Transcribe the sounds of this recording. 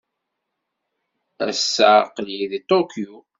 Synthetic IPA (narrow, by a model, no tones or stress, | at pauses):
æ̰sːæqəljiðit̪ˤokʰju